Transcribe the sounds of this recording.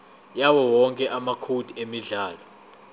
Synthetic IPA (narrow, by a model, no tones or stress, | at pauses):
jawɔwɔŋkʼɛʔamakʰud̥ʱiemiɮaːlɔ